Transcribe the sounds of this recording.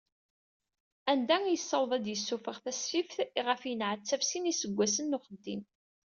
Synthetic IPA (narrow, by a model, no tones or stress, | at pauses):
ænd̪æŋjəsːɑwðˤæd̪jəsːufəʁθæsfifθiʁəfjənʕət͡sːævsinisəɡʷːæsənːʊχəd̪ːḭn